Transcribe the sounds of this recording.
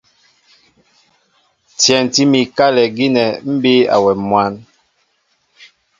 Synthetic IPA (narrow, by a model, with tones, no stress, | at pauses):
tjɛ˨n˨ti˦mi˨ka˦lɛ˨ɡi˦nɛ˨m̩˦bi˦a̰˨wɛ˨mwa˦n